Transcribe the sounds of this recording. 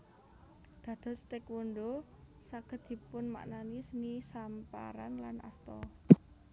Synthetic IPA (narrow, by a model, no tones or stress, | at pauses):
d̪̥ä̤d̪̥ɔ̤st̪ekwoɳɖo | saɡ̥ə̤d̪̚d̪̥i̤pʊnma̰ʔnanisənisampa̰ɾa̰nlanʔa̰st̪ɔ